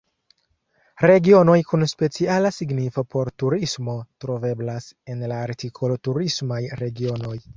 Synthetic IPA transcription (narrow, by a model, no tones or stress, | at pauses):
ɾe̞ɡio̞no̞jkunspe̞t͡sialasiɡnifopʰo̞ɾtuɾismo̞tɾo̞ve̞blase̞nlaːɾtikʰo̞lotuɾismajɾe̞ɡio̞no̞j